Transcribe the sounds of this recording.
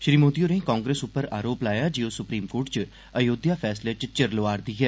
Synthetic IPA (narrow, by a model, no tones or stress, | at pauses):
ʃɾiːmoːd̪ijoːɾẽĩkaːŋɡɾeːsʊpːəɾa̰ːɾoːplaːjaːd͡ʒiːoːsʊpɾiːmkoːʈt͡ʃ | əjoːd̪jaːpʰɛːslet͡ʃt͡ʃəɾloaːɾd̪iːɦɛː